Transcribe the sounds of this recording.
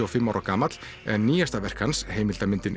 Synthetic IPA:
ɔfɪmːawɾakaːmat̪l̥ | ɛnniːjast̪avɛr̥kanshejmɪlt̪amɪnt̪ɪn

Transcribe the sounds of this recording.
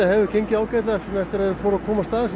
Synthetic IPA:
ahɛvʏcʰeɲcɪaːwkajt̪laɛfnɛft̪ɪɾaðfoːɾʏakʰɔːmast̪aːðɪs

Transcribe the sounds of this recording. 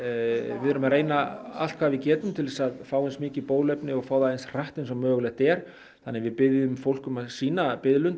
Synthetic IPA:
vɪɾʏmaɾeːjnaa̰l̥t̪kʰvaːvɪcɛːt̪ʏmt̪ʰɪlvɛːsaðfaːwɪjnsmɪːcɪpoːwðlɛjpnɪɔɣfaːwðaejnsr̥aht̪ɪnsɔmːœːɣʏlɛht̪ɛɾ̥ | θanːɪvɪðpɪðjʏmfowl̥kʏmasiːnapɪðlʏn

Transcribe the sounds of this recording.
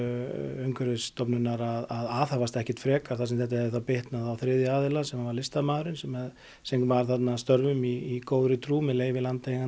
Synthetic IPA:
œɥŋkʏɾɪst̪ɔpnʏnːaɾaðaðaːθhavast̪ɛhcɛ̥t̪fɾɛːkaɾ̥θasɛmθɛht̪ahɛvɪθawpɪht̪naðawθɾɪðjʏaːðɪlasɛmavaɾlɪst̪amaːðɾɪnsɛmɛð | sɛŋvaɾ̥θat̪nast̪œɾvʏmiːkoːwðɾʏt̪ʰɾuːmɪleːjvɪlant̪ejŋa

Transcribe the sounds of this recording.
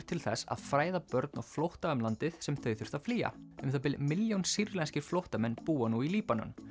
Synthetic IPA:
ɾ̥t̪ʰɪlθɛsa̰ðfɾaːjðapœɾt̪̚nɔɣflowht̪aœmlant̪ɪðsɛmθœɥθʏɾ̥t̪aðfliːa̰ʏmθapɪlmɪljownsiɾlɛnscɪɾ̥flowht̪amɛnːpuːanuiliːpanʏ̰n

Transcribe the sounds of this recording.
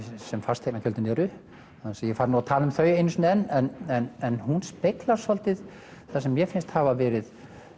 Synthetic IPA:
sɛmfast̪ʰeknacʰœlt̪ɪnɛɾʏ | asɛjɛfaːɾnuat̪ʰaːlʏmθœːɥjejnsɔnɛnːɛnɛnɛnhunspejklaɾ̥sɔlt̪ɪð | θasɛmːjɛfɪnst̪havavɛːɾɪð

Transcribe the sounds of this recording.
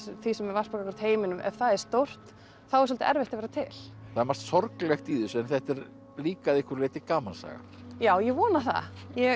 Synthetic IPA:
θisɛmɛvarspɔkakʏɾt̪heːjmɪnʏmʔɛ̰v̥θaðɛɾ̥st̪owr̥t̪ | θawɛɾsɔlt̪ɪ̰ʔɛɾveht̪avɛɾat̪ʰɪl̥θaðɛɾmast̪sɔɾklɛxt̪iːðʏsɛnθɛht̪ɛɾ | liːkaðɪhkʏɾleːt̪ɪkaːmalsa̰ːɣa̰ɾ̥ | jaːwjɛɣvɔːnaθa̰jɛ

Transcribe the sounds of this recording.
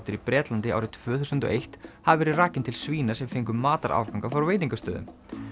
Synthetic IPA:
t̪ɪɾipɾɛːt̪lant̪ɪa̰ːwɾɪt̪ʰvœːθusʏnt̪ɔ̰ʔejht̪havvɛːɾɪraːcɪnt̪ʰɪlsviːnasɛmfejŋkʏmːaːt̪a̰ɾʔa̰ːwvkawŋkafaɾveːjt̪iŋkast̪œːðʏ̰m

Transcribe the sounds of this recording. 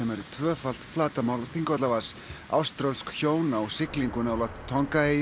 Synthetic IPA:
ɛmɛɾɪt̪ʰvœːfal̥t̪flaːt̪amawlθiŋkɔt̪lavas | a̰wst̪ɾœlskçoːwnawsɪkliŋkʏnawlat̪t̪ʰːɔŋkaej

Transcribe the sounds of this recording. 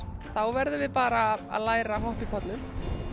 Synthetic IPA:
θawvɛɾðʏvɪpaːɾa̰ːðlaːjɾaɦɔhpipʰɔt̪lʏm

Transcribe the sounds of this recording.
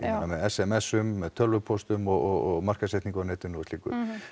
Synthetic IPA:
amɛðɛsɛmɛsːʏmːɛðt̪ʰœlvʏpʰɔst̪ʏmɔɣɔɣɔɣmar̥kasɛht̪niŋkanɛːt̪ʏnɔvʏst̪iːkʏ̰

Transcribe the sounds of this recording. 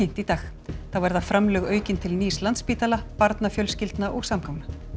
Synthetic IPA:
in̥t̪it̪aːx | θawvɛɾðafɾamlœːɣœːɥcɪnt̪ʰɪlniːslant̪spiːt̪alapaɾt̪nafjœlscɪlt̪naʔɔɣsamkʰawmna

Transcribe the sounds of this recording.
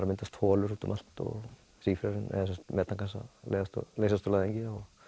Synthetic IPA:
ɾamɪnt̪ast̪ʰhɔːlʏɾut̪ʏmʔal̥t̪ɔ̰ɣ | siːfɾaɾɪnɛ̰ðas̬ɛmt̪mɛːt̪aŋkʰansa̰lḛjðast̪ɔ̰lejsast̪ɔlaːðɛɲcɪaɔɣ

